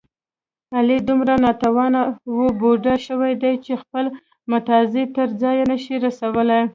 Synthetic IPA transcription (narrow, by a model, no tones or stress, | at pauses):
alid̪umɾanɑt̪awɑnawuboɖaʃəwajd̪ajt͡ʃexpəl | mʊt̪ɑzit̪əɾd͡zɑjanəʃiɾasawəlaj